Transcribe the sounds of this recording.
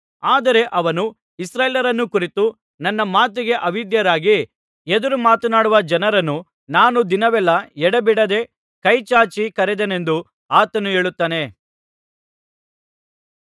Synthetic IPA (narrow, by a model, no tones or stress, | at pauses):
aːd̪ɐɾe̞ʔɐʋɐnu | isɾaːjːljɐɾɐnːukuɾit̪u | nɐnːɐmaːt̪̬iɡe̞ʔɐʋid̪jɐɾaːɡi | ed̪ɐɾumaːt̪ɐnaːɽuʋɐd͡ʒɐnɐɾɐnːu | naːnud̪inɐʋɛlːɐɛɽɐbiɽɐd̪e̞ | kɐjt͡ʃaːt͡ʃikɐɾed̪ene̞nd̪u | aːt̪ɐnueːɭut̪ːaːne̞